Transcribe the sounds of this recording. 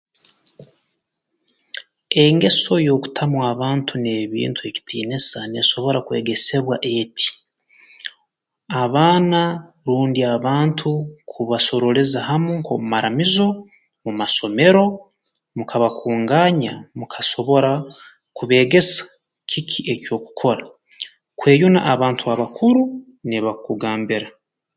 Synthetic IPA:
e̞ŋɡe̞so̞jo̞ːku̥tʰamwaːβaːntʰune̞ːβḭːntʰue̞ci̥tʰḭːnesane̞so̞βo̞ɾakwe̞ːɡe̞se̞βwaʔe̞tʰi̥ | aβaːna | ɾuːndiaβaːntʰukʰuβaso̞ɾo̞lezaɦamuŋkomumaɾamizo̞ | mumaso̞me̞ɾo̞ | mukʰaβakʰuːŋɡaɲamukʰḁso̞βo̞ɾa | kuβe̞ːɡe̞sḁ | cʰikʰiʔe̞co̞ːku̥kʰo̞ɾa | kwe̞ːjuna̰ʔaβaːntʰuaβakʰuɾu | neβakuɡaːmbiɾa

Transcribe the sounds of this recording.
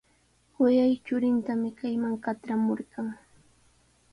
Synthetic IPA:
wɪjajt͡ʃʊɾɪnt̪amɪkajmaŋkat̪ɾamoɾɢɑŋ

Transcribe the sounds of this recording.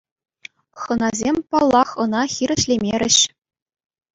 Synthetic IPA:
χɤ̆nɑzʲemʲpɑlˠːɑχɤ̆nɑxʲiɾʲɘ̆ɕlʲemʲerʲɘ̆ɕ

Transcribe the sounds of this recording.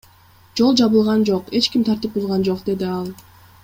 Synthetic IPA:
d͡ʒo̞lˠd͡ʒɑβɯlˠʁɑnd͡ʒo̞qe̞t͡ʃkimt̪ʰɑɾt̪ɯp̚ulˠʁɑnd͡ʒo̞qd̪e̞d̪iɑlˠ

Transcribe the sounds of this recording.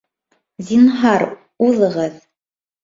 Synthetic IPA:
zʲinɦɑɾ | uðˠɤ̆ʁɤð

